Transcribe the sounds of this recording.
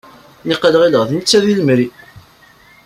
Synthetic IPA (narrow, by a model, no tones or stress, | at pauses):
niqəlʁiləʁθnət͡sːæðiləmɾi